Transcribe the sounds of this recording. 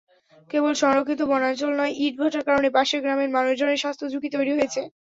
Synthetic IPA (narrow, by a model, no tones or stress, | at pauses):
kebolʃɔŋɾokʰːit̪̬obɔnat͡ɕolnɔeʔiʈ̚bʱoʈaɾkaɾonebaʃeɾɡɾameɾmanod͡ʑoneʃast̪ʰod͡ʑʱukit̪ojɾiɦojet͡ɕʰe